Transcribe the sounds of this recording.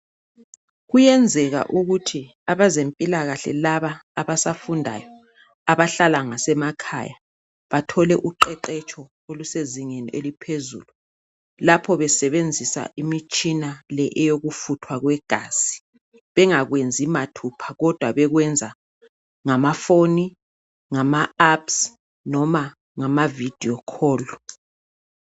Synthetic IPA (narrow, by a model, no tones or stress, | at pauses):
ɣujɛnd͡zʱɛɣa̰ʔuɣutʰi | aβazempʼilaɣaɬɛ̰laβaːβasafundʱa̰jɔ | aβaɬalaŋasɛmakʰa̰ja | βatʰɔlɛʔuǃɛǃɛt͡ʃʼɔ | oluseziŋeniʔelipʰezṵːlu | lapʰɔβɛsɛβend͡zʱisa̰ʔimit͡ʃʼinalɛʔɛjoɣufutʰwaɣwɛɡ̥ʱaːsi̥ | βɛŋaɣwend͡zʱimatʰupʰḁɣɔd̥ʱwaβɛɣwɛnd͡zʱa | ŋamafoni | ŋamaaps | nɔma | ŋamavid̥ʱiɔkʰɔːlu